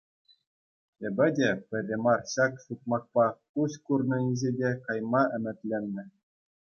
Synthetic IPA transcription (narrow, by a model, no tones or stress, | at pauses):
ĕbʲɘ̆dʲepʲɘ̆rʲːĕmɑrɕɑksut̪̚mɑk̚pɑkuskurnɤ̆nʲizʲedʲekɑjmɑʔɘ̆mʲɘ̆t̪ʲlʲenʲːɘ̆